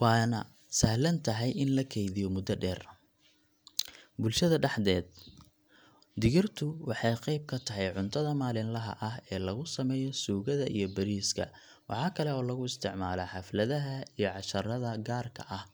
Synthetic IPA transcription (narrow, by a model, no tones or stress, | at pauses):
wɑːnɐ̰ | sɐhlɐnt̪ʰɐɦɛjʔɪnlɐkʰɛjðɪjɔmʊd̪ɐɖɛːr | bʊlʃɐðɐɖɑħd̪ɛːd̪̚ | d̪ɪɣɪrt̪ʰʊwɑħɑjqɑjb̚kʰɐt̪ʰɐɦɛjʕʊnt̪ʰɐðɐmaːlɪnlɐɦɐ̰ʔɐɦɛːlɐɣʊsɐmɛːjɔsuːɣɐðɐʔḭjɞbɐɾiːskʰɐ̰ | wɑ̰ħɑːkʰɐlɛɔːlɐɣʊɪst̪ʰɪʕmaːlɐħɑflɐðɐɦɐijɞʕɑʃɐɾɐðɐɡaːrkʰɐ̰ʔɐh